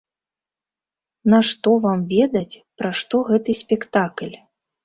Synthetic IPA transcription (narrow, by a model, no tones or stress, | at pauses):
naʂt̪ɔvamvʲɛd̪ɐt͡sʲpɾaʂt̪ɔɣɛt̪ɨsʲpʲɛkt̪aklʲ